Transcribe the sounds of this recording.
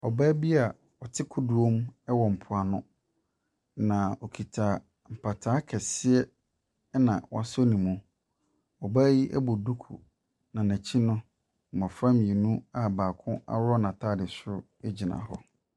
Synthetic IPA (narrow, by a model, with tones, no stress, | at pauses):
ɔ˨baː˦bi˦a˨ | ɔ˨tʰɪ˦kʰʊ˦du˨o˦m˦wɔ˨m̩˨pʰʊ˨a˨nʊ̃˦ | nã˨ɔ˨kʰi˨tʰa˨ | m̩˨pʰa˨tʰaː˨˦kʰɛ˨sɪ˦ɛ˦ | nã̰˨wɔ̰˨a˨sɔ˦nĩ˨mũ˨ | ɔ˨ba˦ji˦ʔɛ̰˦bo˨du˦kʰṵ˨ | nã˨næ̃˨t͡ɕʰi˦nʊ̃˦˨ | mɔ̃˨fɾã˦m̃˨e˨nũ˦a˦baː˨kʰʊ̃˦a̰˦wɔ˦nã˨tʰaː˦˨dɪ˨sʊ˦ | e˦d͡ʑi˨nã̰˨hɔ˦